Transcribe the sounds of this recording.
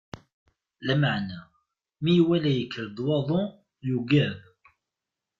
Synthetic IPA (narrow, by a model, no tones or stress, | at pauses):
læmaʕnæ | mijwælæjəkʰːəɾd̪wɑðˤo | juɡæv